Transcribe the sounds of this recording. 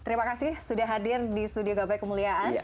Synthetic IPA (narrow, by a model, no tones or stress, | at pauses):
t̪əɾimakasɪhsudaɦadɪrdisə̥t̪udioɡabajkəmuliaʔan